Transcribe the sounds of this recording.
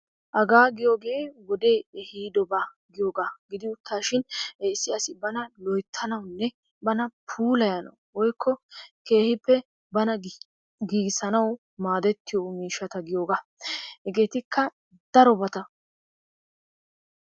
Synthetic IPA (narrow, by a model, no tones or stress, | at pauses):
ʔɐɡaːɡɪjo̞ːɡe̞ːwɔd̪e̞ːɛhiːd̪ɔba | ɡɪjo̞ːɡaːɡɪd̪ɪʊt̪ʰːaːʃɪnɪsːɪɐsɪbɐnɐlɔjt̪ʰːɐnɐwnːɛ | bɐnɐpʰuːlɐjɐnɐ̰wwɔjkʰːɔke̞ːhɪpːɛ | bɐnɐ | ɡiːɡsɐnɐw | maːd̪ɛt̪ːɪjomiːʃːɐt̪ɐɡɪjo̞ːɡaːhɛɡe̞ːt̪ɪkʰːɐ | d̪̥ɐɾɔbɐt̪ɐ